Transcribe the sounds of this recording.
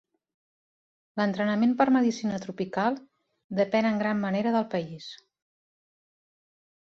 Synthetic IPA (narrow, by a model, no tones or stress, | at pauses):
lənt̪ɾənəmempəɾməðisinət̪ɾupikalˠ | d̪əpɛnəŋɡɾamːəneɾəðəlˠpəis